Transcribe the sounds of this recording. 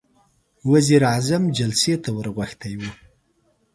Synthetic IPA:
waziɾazamd͡ʒalset̪awəɾɣwaxt̪ajwu

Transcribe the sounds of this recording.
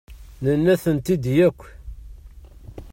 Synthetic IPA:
nənːæθənt̪id̪jækʷː

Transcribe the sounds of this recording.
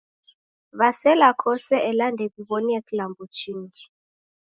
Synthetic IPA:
βasɛlakʰɔsɛʔɛlandʱɛɓiɓɔnieklambʱut͡ʃʰiːnii

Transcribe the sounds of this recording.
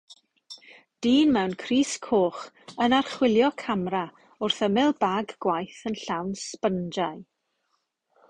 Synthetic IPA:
d̥iːnmɛwnkʰriːskʰoːχ | ənarχwɪlˠjɔkʰamra | ʊrθəmɪlˠbaɡɡwajθənɬawnspənd͡ʒaj

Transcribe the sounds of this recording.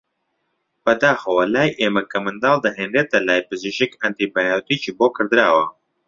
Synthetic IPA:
b̥ɐd̪aːxɐwɐlaːjʔeːmɐkɐmɨnd̪ɑːlˠd̪ɐɦenret̪ɐlaːjpɨziʃɪkɐnt̪ibajat̪it͡ʃiboːkʰɨɾd̪ɾaːwɐ

